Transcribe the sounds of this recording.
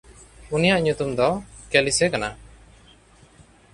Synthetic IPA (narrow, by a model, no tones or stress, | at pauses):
unijaʔɲut̪umd̪ɔkelisɛkana